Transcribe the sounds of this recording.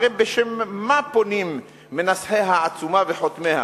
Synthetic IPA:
ebeʃemːaponimː | enasħeɦaːt͡sumaveħot̪meha̰

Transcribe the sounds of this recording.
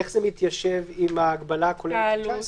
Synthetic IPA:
eχz̥emit̪jaʃevimaːɡbalakola

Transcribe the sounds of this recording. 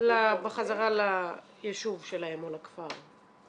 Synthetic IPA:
labeχazaʁala | jeʃuvʃelaemolakfaʁ

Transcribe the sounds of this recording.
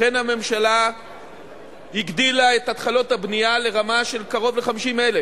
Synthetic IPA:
enhame̞mʃala | hiɡdilae̞tatχalo̞thabniale̞ʁamaʃe̞lkaʁo̞vleχamiʃimele

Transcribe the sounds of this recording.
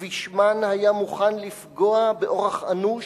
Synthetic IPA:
viʃmanhajamuχanlifɡo̞abeʔo̞ʁeχanu

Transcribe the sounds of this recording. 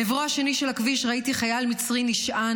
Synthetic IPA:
evʁohaʃe̞niʃelakviʃʁaitiχajalmit͡sʁiniʃa

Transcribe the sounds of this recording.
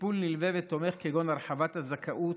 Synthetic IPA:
pulnilvevet̪ːo̞me̞χkeɡonaʁħavat̪hazakʰaʔut

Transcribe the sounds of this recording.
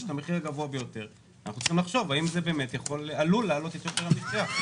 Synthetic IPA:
ʃt̪ameχiʁaɡavoabejo̞t̪e̞ʁ | anaχnut͡si̥χimlaχʃo̞vaimzebe̞ːmet̪jaχo̞lalulaːlo̞t̪et̪oteʁamitia

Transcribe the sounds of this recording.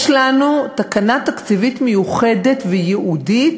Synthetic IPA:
ʃlanut̪akanat̪akt͡sivit̪mejuχe̞de̞t̪vejeʔudit̪

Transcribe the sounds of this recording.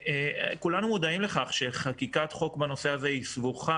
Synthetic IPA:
ekulanumud̪aimleχaχʃe̞χakikat̪χo̞kbano̞se̞azeisvuχa

